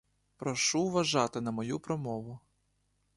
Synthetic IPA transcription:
pɾɔʃuʋɐʒɑt̪ɪnɐmɔjupɾɔmɔʋʊ

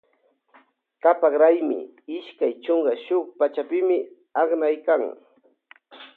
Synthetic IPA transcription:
kapakɾajmɪ̰ɪʃkajt͡ʃoŋɢɑʃʊk̚pat͡ʃapɪmɪ | aχnajkaŋ

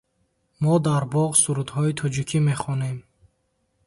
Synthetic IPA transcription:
mɔd̪aɾbɔʁsuɾud̪hɔit̪ʰɔd͡ʒikʰime̞χɔne̞m

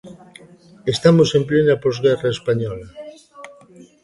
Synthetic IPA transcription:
est̪amosemplenapozɣɛraespaɲɔla

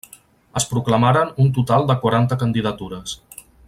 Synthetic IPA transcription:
əspɾukləmaɾənunt̪ut̪alˠd̪əkwaɾant̪əkənd̪iðət̪uɾəs

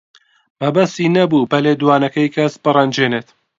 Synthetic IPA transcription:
mɐbɐst̪iːnɐbuːbɐleːd̪uwaːnɐkɐjkʰɐsbɨrˤɐnd͡ʒeːnet̪

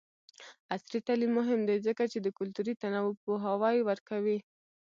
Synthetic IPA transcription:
asɾit̪alimːʊɦɪmd̪ejzəkat͡ʃed̪əkʊlt̪uɾit̪anawop̚oɦawɑjwəɾkawi

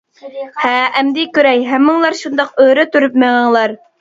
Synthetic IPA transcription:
hæːmd̪ɪkʲøɾɛjɦæmːɨŋlˠɑɾʃund̪ɑqøɾæt̪yɾyp̚meʁɑŋlˠɑɾ

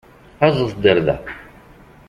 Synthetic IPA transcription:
æzˤəθd̪əɾðæ̰

